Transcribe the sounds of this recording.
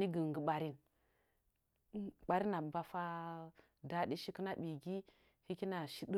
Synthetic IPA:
i˦ɡə˨ŋ˨ɡə˨ɓa˨ɾi˦n˦ | ɓa˨ɾi˦na˨ba˦fa˦ | da˦ɗi˦ʃi˦kə˦na˦ɓi˨ɡi˦ | hi˦ki˦na˨ʃi˦də˦

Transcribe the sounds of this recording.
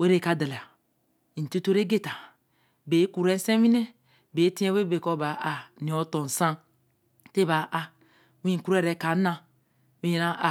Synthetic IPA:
we˦ɾe˦˨ka˨da˨la˨ | i˨tu˦to˦ɾe˦ɡe˦ta˨ | be˨˦ku˨ɾe˦n˦se˦mi˦ne˦ | be˨˦ti˦e˦we˦be˨ko˦ba˨˦ʔa˨nĩ˨o˨˦to˨n˨sa˦ | te˦ba˨ʔa˨ | wĩ˦˨ku˦ɾe˦˨ɾe˨˦ka˨˦nã˦ | wi˦jɾa˦ʔa˨

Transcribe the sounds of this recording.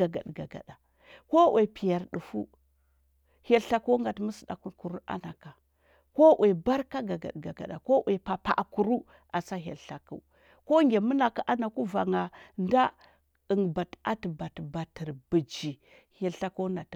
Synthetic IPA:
a˨ɡa̰˨ɗɡa̰˨ɡa̰˨da˨ | ko˦wʔe˨pi˨ja˨ɾɗu˨fu˦ | he˦lɬa˦ko˦ŋɡa˨tmə˦sda̰˨ku˦ku˨ɾu˦a̰˦na˨ka˨ | ko˦ʔwʔe˨ba˦ɾka˦ɡa˨ɡa̰˨ɗɡa˨ɡa̰˨ɗa̰˨ko˦we˨pa˨pa̰˨ʔku˨ɾu˦ | a˨sa˦ɦḛ˨lɬa˨kṵ˦ | ko˦ŋɡʲe˨mu˦na˨ka˦ʔa˦na˨ku˦va˨ŋa˨nda˦ | ə˨ŋba˨ta˦tba˨tba˨tə˨ɾbi˨d͡ʒi˨ | he˨lɬa˦ko˦na˨t

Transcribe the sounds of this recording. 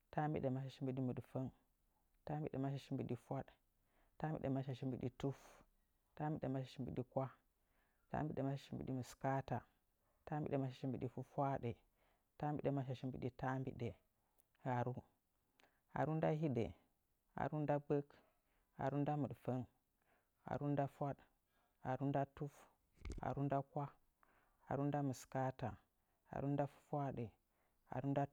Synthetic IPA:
ta˦mbi˦ɗe˨ma˦ʃa˨ʃi˦mbi˨ɗi˦mu˨ɗfə˦n | ta˦mbi˦ɗe˨ma˦ʃa˨ʃi˦mbḭ˨ɗi˦fʷa˦ɗ | ta˦mbḭ˦ɗe˨ma˦ʃ̬a˨ʃi˦mbi˨ɗi˦tu˦f | ta˦mbḭ˦ɗe˨ma˦ʃa˨ʃi˦mbi˨ɗi˦kʷa˦ | ta̰˦mbi˦ɗe˨ma˦ʃa˨ʃi˦mbi˨ɗi˦mu˨ska˦ta˨ | ta˦mbi˦ɗe˨ma˦ʃa˨ʃi˦mbi˨ɗi˦fu˦fʷa˦ɗe˨ | ta˦mbḭ˦ɗe˨ma˦ʃa˨ʃi˦mbḭ˨ɗi˦ta˦mbḭ˦ɗe˨ | ha˨ɾu˦ | a̰˨ɾu˦nda˦ɦi˦ɗḛ˨ | a̰˨ɾu˦nda˦bə˦k | a̰˨ɾu˦nda˦mu˨ɗfə˦n | a̰˨ɾu˦n˦da˦fʷa˦ɗ | a̰˨ɾu˦nda˦tu˦f | a̰˨ɾu˦nda˦kʷa˦ | a̰˨ɾu˦n˦da˦mu˨ska˦ta˨ | ha̰˨ɾu˦nda˦fu̥˦fʷa˦ɗe˨ | a̰˨ɾu˦n˦da˦

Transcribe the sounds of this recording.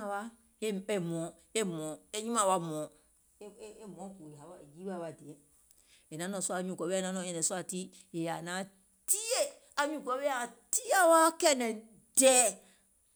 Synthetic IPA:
a˨wa˦ | e˨mɔ̃˨˦ | e˦mɔ̃˨e˦ɲĩ˦mã˦˨wa˦mɔ̃˨˦ | e˦mɔ̃˨˦ku˨a˨˦wa˨d͡ʒi˦ba˦˨wa˨di˨ɛ̃˨˦ | e˨nã˨˦nɔ̃˨su˦a˨ɲũ˨kɔ˨˦nã˦nɔ̃˨ɛ̃˨nɛ̃˨su˦a˨ti˦ | e˨ja˨nã˨˦ | ti˦je˦ | a˨ɲũ˨kɔ˨˦be˦a˨ti˦a˦wa˦kɛ˦nɛ̃˨ | dɛ˦

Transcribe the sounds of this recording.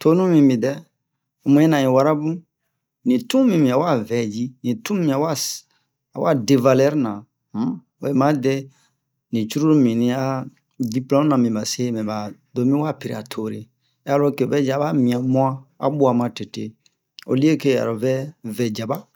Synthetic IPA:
tʰo˦nũ˦mĩ˨mĩ˨dɛ˦ | o˨mũ˦e˦nã˨ĩ˨wa˦ɾa˦bũ˦ | nĩ˨tũ˦mĩ˨mĩ˨a˨wa˦vɛ˨d͡ʒi˦nĩ˨tũ˦mĩ˦a˨˦wa˦ | a˨wa˦de˨va˧lɛ˦ɾnã˨˦ | o̰˨je˦˨mã˦dɛ˦ | nĩ˨t͡ʃu˦ɾu˦ɾmĩ˨nĩ˧a˦ | di˦plɔ̃˦nã˨mĩ˨ba˨se˦mɛ̃˨ba˨do˨˦mĩ˦wa˦pi˨ɾi˨a˨tʰo˨ɾḛ˨˦ | a˦lo˦ke˨o˨vɛ˦d͡ʒa˨ba˦mĩ˨a˨mũ˦ã˦a̰˨˦bu˦a˨mã˧te˨te˨ | o̰˨li˦e˦ke˦a̰˨ɾo˨vɛ˦vɛ˨d͡ʒa˨ba˦

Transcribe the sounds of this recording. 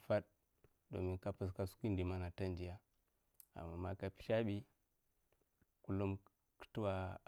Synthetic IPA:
fa˦ɗ̚ | do̰˨mi˦nka˦pə˨s̬ka˦su̥˦ki˦ndi˨ma˦na˨ta˦ndi˨ja˦ | a̰˨mːa˨ma˦ka˦pi̥˦ʃa˦ɓi˦ | ku˦lo˦m | kə̥˦tu˦wa˨

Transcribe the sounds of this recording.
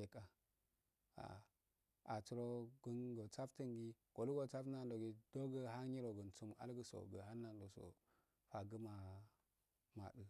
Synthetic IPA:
e˨ka˨ | a̰˨ | a˨t͡su˨ɾo˦ɡə˦nɡo˨t͡sa˦ftə˦ŋɡi˦ɡ̥o˨lu˦ɡo˨t͡sa˦fna˦n˨do˨ɡi˨do˦ɡə˦ɦa˦ɲi˦ɾo˨ɡə˨nt͡su˦ma̰˦lɡə˨so̰˨ɡə̰˨ɦa˦nːa˨ndo˨so̰˨ | fa˨ɡə˦ma˨ | ma̰˨ɗə˦

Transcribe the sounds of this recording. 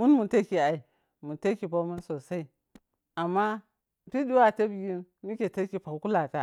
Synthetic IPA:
mu˦nmu˨te˦ki˨a˨i˨ | mu˨te˦ki˨ba˦mu˦nso˨sa˦i˦ | a˨mːa˦˨ | ti˦di˦wa˦˨te˦bji˦n | mi˦kʲe˨te˦ki˨pa˨ku˦ku˦la˨ta˨

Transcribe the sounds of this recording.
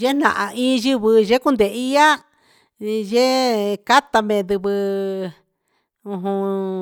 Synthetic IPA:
ʒe˦n̥ã̰˧ʔa˧ĩː˦ʒi˦βɨ˧ʒe˦ku˦nd̪e˨i˦ja˦ | ʒe˦ka˦t̪a˧mẽ˨ðɨ˧βɨ˧ | ũ˧ɦũ˧

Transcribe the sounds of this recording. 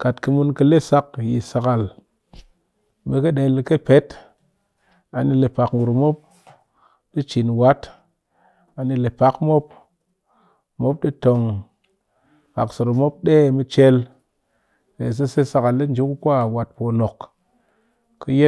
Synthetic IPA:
ka˨tkɨ˧mu˧nkɨ˧le˦sa˦kji˨sa˨ka˨l | me˧kɨ˦ɗe˨lke˦pe˨˦t | a˨ni˧le˨pa˨kŋu˨ɾmo˦p̚ | ɗi˦t͡ʃi˨nwa˦t | a˨ni˧le˨pa˨˦kmo˦p̚ | mo˦p̚ɗi˦to˨ŋ | ka̰˨kso˨ɾo˨mo˦p̚ɗe˦˨mi˧t͡ʃe˧l | ɾe˨s̬e˦se˦sa˨ka˨lːi˦n˨d͡ʒu˨˦ku˦kʷa˦˨wa˨t̚po˧no˨k | kːɨ˦je˦

